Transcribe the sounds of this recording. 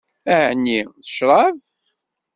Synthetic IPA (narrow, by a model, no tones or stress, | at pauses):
æʕənːiθə̥ʃɾˤɑv